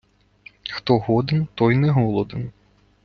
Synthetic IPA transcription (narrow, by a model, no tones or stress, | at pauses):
xt̪ɔɦɔd̪ɪnt̪ɔjnɛɦɔlˠɔd̪ɪn